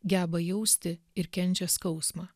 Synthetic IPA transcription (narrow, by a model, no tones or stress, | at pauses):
ɡʲæːbɐjɛʊsʲt̪ʲɪ | ɪɾkʲɛnʲt͡ʃʲɛskɒʊsmɑː